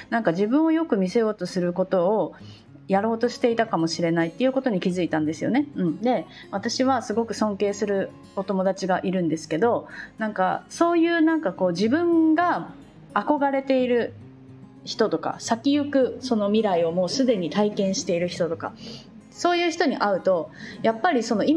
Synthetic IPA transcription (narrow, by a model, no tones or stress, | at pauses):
nãŋkad͡ʑibɯ̟̃ɰ̃o̞jo̞kɯ̟mʲise̞jo̞ːt̪o̞sɨɾɯ̟ko̞t̪o̞ː | jaɾo̞ːt̪o̞ɕi̥t̪e̞it̪akamo̞ɕiɾe̞nait̪ːejɯ̟ːko̞t̪o̞ɲ̟ikʲizɨit̪ãnd̪e̞sɨjo̞̰ne̞ɯ̟̃ɴd̪e̞ | βat̪aɕiβasɨɡo̞kɯ̟sõ̞ŋke̞ːsɨɾɯ̟ | o̞t̪o̞mo̞d̪at͡ɕiɡaʔiɾɯ̟̃nd̪e̞sɨ̥ke̞d̪o̞nãŋka̰so̞ːjɯ̟ːnãŋkako̞ːʑibɯ̟̃ŋɡaː | ko̞ɡaɾe̞t̪e̞iɾɯ̟ | çi̥t̪o̞t̪o̞ka̰sakʲijɯ̟kɯ̟so̞no̞mʲiɾaio̞mo̞ːsɨd̪e̞ɲ̟it̪aikẽ̞ɰ̃ɕi̥t̪e̞iɾɯ̟çi̥t̪o̞t̪o̞ka̰ | so̞ːjɯ̟ːçi̥t̪oɲ̟iʔaɯ̟t̪o̞japːaɾʲiso̞no̞im